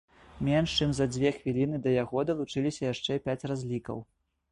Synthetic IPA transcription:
mʲɛnʂt͡ʂɨmzɐd͡zʲvʲɛxvʲilʲinɨd̪ɐjaɣɔd̪ɐlˠut͡ʂɨlʲisʲɐjaʂt͡ʂɛpʲat͡sʲrazʲlʲikɐ̰w

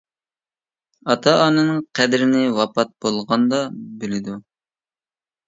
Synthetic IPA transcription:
ɑt̪ʰɑːnɨnɨŋqʰɛd̪ɾɪnɪwɑpɑt̪̚b̥olˠʁɑnd̪ɑbylɪd̪u

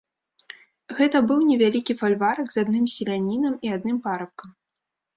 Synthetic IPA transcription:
ɣɛt̪ɐbɨwnʲɛvʲalʲikʲifalʲvaɾɐɡzad̪nɨmsʲɛlʲanʲːinɐmiad̪nɨmpaɾɐp̚kɐm

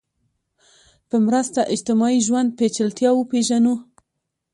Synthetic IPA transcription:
pəmɾəst̪aʔɪd͡ʒt̪ɪmɑiʒwand̪̚pet͡ʃɪlt̪jɑwəpeʒanu

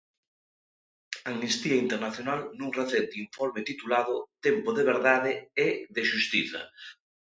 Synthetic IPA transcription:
aŋnist̪iɐint̪eɾnaθjonalnũŋreθɛnt̪iɱfɔɾmɪt̪it̪ulað̞ʊt̪empoðeβ̞eɾðaðɪeðeʃust̪iθɐ̰

